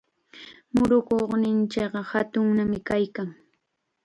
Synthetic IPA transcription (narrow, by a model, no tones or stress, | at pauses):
mʊɾʊkoχnɪnt͡ʃɪkɢɑhat̪ʊŋnamɪkajkaŋ